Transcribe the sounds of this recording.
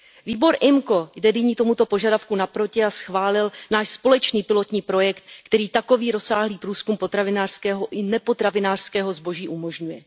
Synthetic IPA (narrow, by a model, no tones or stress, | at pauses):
viːbo̞ɾʔɪmko̞jdɛdɪɲiːt̪o̞mut̪o̞po̞ʒadafkunapɾo̞cɪasxvaːlɪlnaːʃspo̞lɛt͡ʃniːpɪlo̞t̪ɲiːpɾo̞jɛkt̪̚kt̪ɛɾiːt̪ako̞viːɾo̞saːɦliːpɾuːskumpot̪ɾavɪnaːr̥skɛːɦo̞ʔɪnɛpo̞t̪ɾavɪnaːr̥skɛːɦo̞zbo̞ʒiːʔumo̞ʒɲujɛ